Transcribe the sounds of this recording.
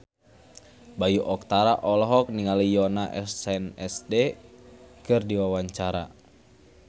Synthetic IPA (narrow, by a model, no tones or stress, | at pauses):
bajuʔɔk̚t̪aɾaʔɔlɔɦɔk̚niŋalijɔnaʔɛssɛnɛsdɛ | kɨrdiwawaɲt͡ʃaɾa